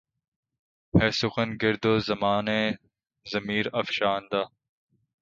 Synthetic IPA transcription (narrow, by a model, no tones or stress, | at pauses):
heːsʊxɐnɡɪɾd̪oːzɐmaːneː | zɐmiːɾɐfʃaːnd̪aː